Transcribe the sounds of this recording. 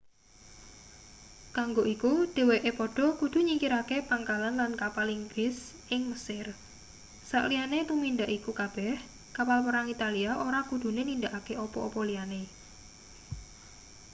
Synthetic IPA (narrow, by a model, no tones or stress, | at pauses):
kaŋɡoʔikud̥e̤weʔepɔɖ̥ɔ̤kud̪̥ṳɲikiɾakepaŋkalanlankapaliŋɡɾɪsʔɪŋməsɪr | sa̰ʔlianet̪umind̪aʔikukab̥ɛh | kapalpəɾaŋit̪aliaʔoɾakud̪̥ṳnenind̪aʔakeʔɔpɔʔopɔliane